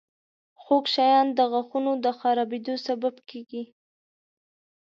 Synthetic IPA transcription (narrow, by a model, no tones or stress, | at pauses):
xokʃɑjɑnd̪əɣaxunod̪əxɑɾɑbed̪osababkeɡi